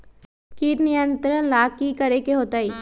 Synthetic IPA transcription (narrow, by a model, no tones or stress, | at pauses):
kiːʈ̪nɪjə̃nt̪ɾənlaːkːikəɾekeɦoːt̪aːiː